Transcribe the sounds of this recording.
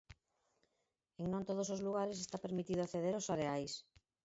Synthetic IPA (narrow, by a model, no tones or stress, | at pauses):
eŋnõnt̪oð̞osozluɣ̞aɾesest̪apeɾmit̪iðʊaθeð̞eɾosaɾeajs